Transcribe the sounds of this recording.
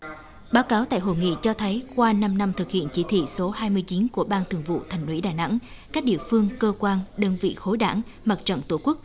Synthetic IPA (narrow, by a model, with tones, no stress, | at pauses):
ɓaː˨˦wkaː˨˦wt̪a̰ː˧˨jɦo̰˧˨jŋḭ˧˨t͡ɕɔ˧t̪ʰə˨˦jkwaː˧na˧mna˧mt̪ʰɨ˨˩k̚hḭ˧˨ənt͡ɕi˨˦˥t̪ʰḭ˧˨so˨˦haː˧jmɨ˧əjt͡ɕi˨˦nku˧˩əɓaː˧nt̪ʰɨ˨˩əŋvṵ˧˨t̪ʰa˨˩jŋ̟wḭ˧˥ɗaː˨˩na̰˧˥ŋ | kaː˦˥k̚ɗḭ˧˨əfɨ˧əŋkəː˧kwaː˧nɗəː˧nvḭ˧˨xo˨˦jɗa̰ː˧˩˥ŋma˨˩t̚t͡ɕə̰˧˨nt̪u˧˩ku˦˥k̚